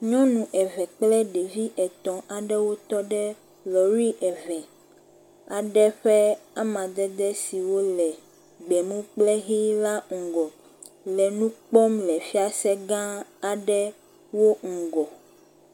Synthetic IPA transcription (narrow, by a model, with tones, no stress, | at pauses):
ɲɔ̃˦nũ˨ʔɛ˨vɛ˨k͡plɛ˦ɖe˨vi˦ʔɛ˨t̪ɔ̃˨ʔa˨ɖɛ˦wo˦t̪ɔ˦ɖɛ˦ | lɔ˨ɾi˦ʔɛ˨vɛ˨ | a˨ɖɛ˦ɸɛ˦a˦mã˨d̪ɛ˦d̪ɛ˦si˨wo˦lɛ˨ | ɡ͡bɛ˨mũ˦k͡plɛ˦ɦi˦la˦ŋ̩˨ɡɔ˨ | lɛ˨nũ˦k͡pɔ˦mlɛ˨fi˦a˦sɛ˦ɡã˦a˨ɖɛ˦ | wo˦ŋ̩˨ɡɔ˨